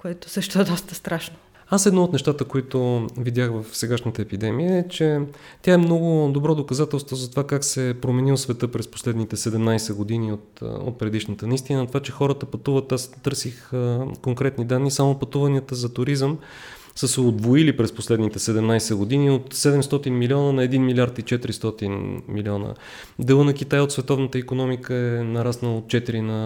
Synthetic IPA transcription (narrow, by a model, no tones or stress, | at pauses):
koɛt̪o̥sɤʃt̪ʊɛd̪ɔst̪əst̪ɾaʃno̥ | asɛd̪nɔot̪nɛʃt̪at̪əkoit̪ʊvid̪ʲaxvəfsɛɡaʃnət̪əɛpid̪ɛmijəɛt͡ʃɛ | t̪ʲjaɛmnɔɡʊd̪obɾɔd̪okɐzat̪ɛlˠst̪vozɐt̪ovakaksɛpɾomɛnilˠsvɛt̪ɤpɾɛspo̥slɛd̪nit̪ɛsɛd̪ɛmnajsɛɡod̪iniot̪o̰t̪̚pɾɛd̪iʃnət̪ənɐist̪inət̪ovat͡ʃɛxɔɾət̪əpɐt̪uvət̪ːast̪ɤɾsixkoŋkɾɛt̪nid̪anːisamopɐt̪uvɐniət̪əzɐt̪ʊɾizəm | səsɛod̪voilipɾɛsposlɛd̪nit̪ɛsɛd̪ɛmnajsɛɡod̪iniot̪sɛd̪ɛmst̪ɔt̪inmiliɔnənɐɛd̪inmilʲaɾt̪it͡ʃɛt̪ɾist̪ɔt̪inmiliɔnə̰ | d̪ɛlˠənɐk̟it̪ajot̪svɛt̪ɔvnət̪əikonɔmikəɛnɐɾasnəot̪̚t͡ʃɛt̪iɾinɐ